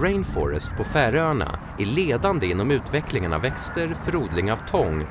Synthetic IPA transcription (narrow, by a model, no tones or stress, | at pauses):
ɾɛɪnfɔ̰ɾə̰st̪̚pʰɔfæːɾøːɳa̰ | æɭeːd̪and̪əɪnːɔmʉ̟ːt̪vɛklɪŋəna̰vɛkst̪əɾfœɾuːd̪lɪŋavt̪ʰɔŋ